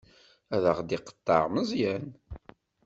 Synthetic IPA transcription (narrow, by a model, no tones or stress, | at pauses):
æðəʁd̪iqə̥t̪ːɑ̰ʁməzˤjæn